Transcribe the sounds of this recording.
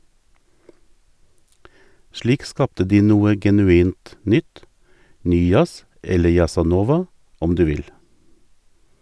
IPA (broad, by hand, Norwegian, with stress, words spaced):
ˈʃliːk ˈskɑptə ˈdiː ˈnuːə ɡɛnʉˈiːnt ˈnʏt ˈnyː ˈjɑs ˈɛlə jɑsɑˈnoːʋɑ ˈɔm ˈdʉː ˈʋɪl